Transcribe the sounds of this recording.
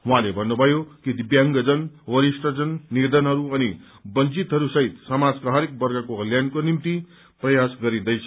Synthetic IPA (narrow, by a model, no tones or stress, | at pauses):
ɦũɦãlebʱʌnːubʱʌjokid̪ibjaŋɡʌd͡zʌnwʌɾisʈʌd͡zʌnːied̪ʌnɦʌɾuʌni | bʌnd͡zit̪ɦʌɾusʌɦit̪samad͡zkaɦʌɾek̚bʌɾɡakoʌljankonimt̪i | prʌjasɡʌɾid̪ʌjt͡sʰʌ̥